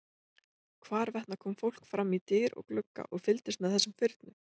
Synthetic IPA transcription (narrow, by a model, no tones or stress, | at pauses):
kʰvaːɾvɛht̪nakʰɔːmfowl̥kfɾamːit̪ɪːɾɔ̰ɣklʏkːa̰ʔɔɣfɪlt̪ɪst̪mɛðθɛsːʏmfɪɾt̪nʏ